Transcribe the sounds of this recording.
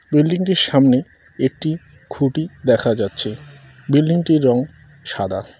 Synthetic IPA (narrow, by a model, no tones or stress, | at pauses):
bilɖiŋʈiɾʃamne | ek̚ʈi | kʰuʈid̪ɛkʰad͡ʑatːɕʰe | bilɖiŋʈiɾːɔŋ | ʃad̪a̰